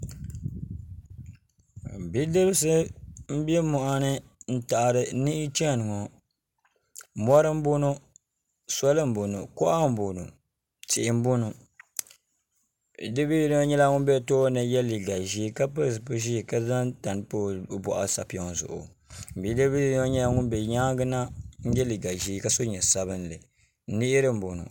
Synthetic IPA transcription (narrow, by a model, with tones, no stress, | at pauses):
bi˦de˦bs̬ɨ˦m̩˦bɛ˦mɔ˨ʔa˦nɨ˦n̩˦ta˨ʔa˨ɾɨ˨ni˦ʔɪ˦t͡ʃɛ˦˨nɨ˨ŋɔ˨ | mɔ˦ɾɨ˦m̩˦bo˦no˦ | sɔ˦lɨ˦m̩˦bo˨nu˨kɔ˦ʔa˦m̩˦bo˨nṵ˨ | t͡ʃi˨ʔɪ˨m̩˦bo˦nu˨ | dɨ˦bi˦n˦o˦ɲɛ˦la˦ŋʊ˦bɛ˦toː˦nɨ˨jɛ˦li˨ɡa˨ʒi˦ka˦pɨ˦˨s̬ɨ˨po˦ʒi˦˨ka˦za˦ŋta˨n˨˦po˦˨bɔ̰˨ʔa̰˨˦sa̰˨pi˨˦ɔ˨ŋ˨zʊ̰˨ʔʊ̰˨ | m̩˨bi˨˦dɨ˦bi˦ɲɛ˦la˦ŋʊ˦n˦bɛ˨ɲa˦ɡɨ˦na˦n̩˦jɛ˦li˨ɡa˨ʒiː˦ka˨˦so˦ɲɛ˨sa˦βɨ˦n˦lɨ˨ | nɪ˦ʔɪ˦ɾɨ˦m̩˦bo˨nʊ̰˨